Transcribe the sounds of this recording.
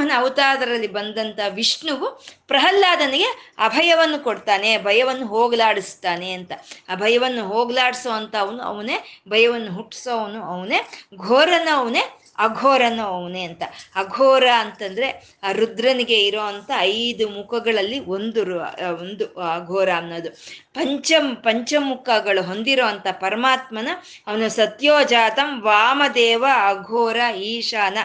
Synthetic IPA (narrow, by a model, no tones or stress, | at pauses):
ɐnɐɐʋut̪aːd̪ɐɾɐlːibɐnd̪ɐnt̪ɐʋiʂɳuʋupɾɐɦɐlːaːd̪ɐniɡe̞ɐ̰bʱɐjɐʋɐnːukoɽt̪aːne̞bʱɐjɐʋɐnːuɦoːɡlaːɽist̪aːne̞ɐnt̪ɐɐbʱɐjɐʋɐnːuɦoːɡlaːɽisoːɐnt̪ɐːʋɐnuɐ̰ʋɐnebʱɐjɐʋɐnːuɦuʈːsoːʋɐnuɐʋɐneɡʱoːɾɐnɐːʋɐne | ɐɡʱɔːɾɐnɐɐʋneɐnt̪ɐɐɡʱɔːɾaɐnt̪ɐnd̪ɐɾe̞ | ɾud̪ɾɐniɡe̞iɾoːʋɐnt̪ɐɐjd̪umukɐɡɐɭɐlːiond̪uɾṵond̪uɐɡʱɔːɾɐːnːoːd̪upɐɲt͡ʃɐpɐɲt͡ʃɐmukɐɡɐɭuɦo̞nd̪iɾoːɐnt̪ɐpɐɾɐmaːt̪mɐnɐ | ɐʋɐnusɐt̪joːd͡ʒaːt̪ɐmʋaːmɐd̪ɛːʋɐɐɡʱoːɾaiːʂaːnɐ